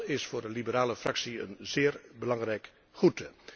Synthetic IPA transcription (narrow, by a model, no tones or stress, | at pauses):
ɪsfʊːɹdəlibəɾaːləfrɑksiə̰nzɪːɹbəlɑŋrɛjk | χutə